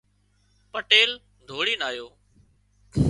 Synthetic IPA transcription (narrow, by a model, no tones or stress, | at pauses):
pəʈeːl | d̪ʱoːɽiːnaːjoː